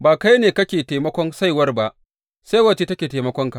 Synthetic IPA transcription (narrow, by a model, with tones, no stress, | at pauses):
baː˨ka˦jneː˨kɐ˦kʲeː˨teː˨mɐ˦kʷɔ˦nsa˦jwɐ˦rba˦ʔ | sa˦wɐ˨t͡ʃe˦tɐ˦kʲeː˨teː˨mɐ˦kʷɔ˦ŋka˨